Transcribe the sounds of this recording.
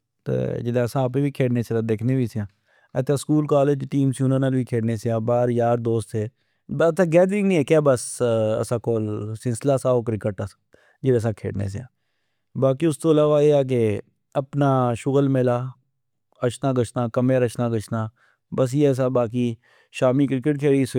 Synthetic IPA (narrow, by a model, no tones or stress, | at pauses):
t̪ḛːd͡ʒɪd̪eːəsãːp̬eːʋiːkʰeːɽneːseːt̪ad̪eːkʰneːʋiːseãː | ɛ̰t̪ʰẽːskuːlkaːleːd͡ʒʈiːmsiʊnə̃ːnaːlʋiːkʰeːɽneːseãːbaːɾjaːɾd̪oːst̪seː | bt̪ẽːɡɛːd̪ɾɪ̃ŋnĩːɛːkɛːbəsə̰sãːkoːlsɪnslaːsaːoːkɾɪkəʈas | d͡ʒɪɾəs̬ãːkʰḛːɽnḛːsea̰ː | baːkiːʊst̪oːlaːʋaːeːaːk̬e | əpnaːʃʊɣəlmɪlaː | əʃnaːɡət͡ʃnaːkəmeɾəʃnãːɡət͡ʃnaː | bəs̬jeːɛːs̬aːbaːk̬iː | ʃaːmiːkɾɪkəʈkʰeːɽiːs